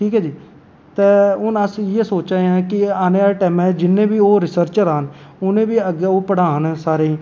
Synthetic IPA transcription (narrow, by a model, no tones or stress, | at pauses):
ʈʰiːkɦɛːd͡ʒiː | t̪eːʊnəsĩːjeːsoːt͡ʃaːeãːkɪaːneːʈɛːmɛːd͡ʒɪnːẽːbiːoːɾɪsəɾt͡ʃɾaːnʊnẽːbiːəɡeːoːpəɽaːnːsaːɾeːĩː